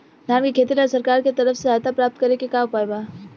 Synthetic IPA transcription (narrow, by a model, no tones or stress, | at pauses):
d̪aːmkikʰeːt̪ilɔːɾsɐɾkaːɾket̪ɐɾəfseat̪apɾaːp̚t̪kɐɾekekaːpaːbaː